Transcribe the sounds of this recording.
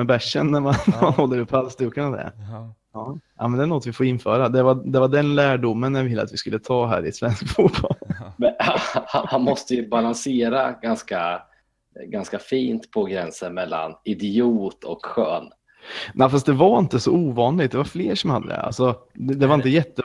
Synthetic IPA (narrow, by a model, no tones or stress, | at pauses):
mɛbæʂːə̰nːæɾmannɾmanhɔlːəɾɵpʰːalst̪ʉːkanavɛ̰ | ɑːʔa̰mɛnd̪ɛɳɔt̪ːvɪfoːɾɪnːfœːɾad̪ɛvad̪ɛvaɖɛnlæːɖʊmːənjavɪlːə̰at̪vɪskɵlːət̪ʰɑːɦæ̰ːɾɪɛt̪svɛnsk̚t̪fuːt̪bɔ̰lmɛahahanmɔst̪əjɵbalanseːɾaɡanska | ɡanskafiːnt̪pʰɔɡɾɛnsənmɛlːa̰nɪd̪ɪuːt̪ʰɔ̰kɧø̰ːn | nʔæɪfas̬t̪d̪ɛvaɾɪnt̪əsɔuːvɑːnlɪɡ̚t̪̚d̪ɛvaɾfleːʂɔmhad̪ːə̰d̪ɛ̰ʔa̰lsɔd̪ɛd̪ɛvaɾɪnt̪əjɛt̪ːə